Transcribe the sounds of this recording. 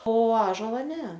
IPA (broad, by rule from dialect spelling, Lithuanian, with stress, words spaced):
oː ˈɑːʒoːlˠɐ ˈnʲɛ